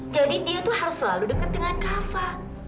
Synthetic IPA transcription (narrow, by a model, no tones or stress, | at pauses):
d͡ʒadidiat̪uhaɾʊsːəlaludəkat̪̚dəŋankafa